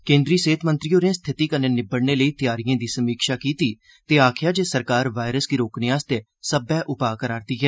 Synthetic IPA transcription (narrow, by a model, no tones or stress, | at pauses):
kẽːnd̪ɾiːseːt̪ʰmənt̪ɾiːoːɾẽːst̪ʰɪt̪iːkəneːnɪbəɽneːləiːt̪ɪjaːɾijãːd̪iːsəmiːkʃaːkiːt̪iː | t̪eːaːkʰɪjaːd͡ʒeːsəɾkaːɾʋaːɪɾəsɡiːɾoːknɪãːst̪eː | səbɛːʔʊpaːkəɾaːɾd̪iːɦɛː